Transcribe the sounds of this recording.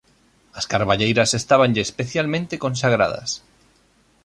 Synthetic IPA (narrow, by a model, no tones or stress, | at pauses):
askaɾβaʎejɾasest̪aβ̞anʎeːspeθjalmẽnt̪ekons̬aɣ̞ɾa̰ða̰s